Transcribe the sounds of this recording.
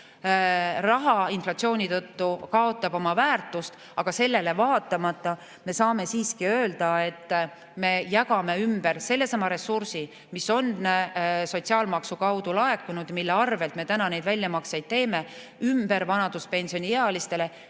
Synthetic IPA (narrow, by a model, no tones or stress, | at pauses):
rɑɦɑinflɑt̪sio̞ːnʲit̪ɤt̪ːukɑo̞t̪ːˑɑbo̞mɑvæːrt̪ːˑust̪ | ɑɡ̥ɑse̞lːe̞le̞vɑːt̪ːˑɑmɑt̪ˑːɑ | me̞sɑːme̞siːskiø̞ːld̪ɑe̞t̪ː | me̞jɑkɑme̞ymb̥e̞rse̞lːe̞sɑmɑɾe̞sːursi | miso̞n | so̞t̪siɑːlmɑksukɑwd̪̥ulɑe̞kːunud̪milːeɑrve̞lt̪me̞t̪ænɑne̞jd̪vælʲːjɑmɑksejd̪̚t̪e̞ːme̞ | ymb̥e̞ɾvɑnɑd̪uspe̞nʲsio̞nʲiheɑlist̪e̞le̞